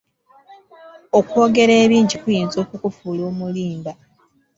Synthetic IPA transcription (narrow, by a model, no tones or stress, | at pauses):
okwoːɡe̞ɾeːβiːɲɟikujiːnzo̞ːkukufuːloːmuliːmba